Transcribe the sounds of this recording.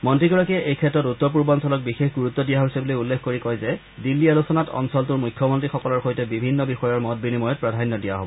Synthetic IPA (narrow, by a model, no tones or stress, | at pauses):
mɔntɹiɡɔɹakiɛejkʰɛtɹɔtutːɔɹpuɹbɔnsɔlɔk̚bixexɡuɹut̪ːɔdijaɦisɛbilojulːekʰkoɹikɔjzɛ | dilːialusɔnatɔ̰nsɔltʊɹmujkʰjɔmɔntɹixɔkɔlɔɹxojtɛbibʱinːɔbixɔjɔɹmɔt̚binimɔjɔt̚pɹadʱanːɔdijaɦobɔ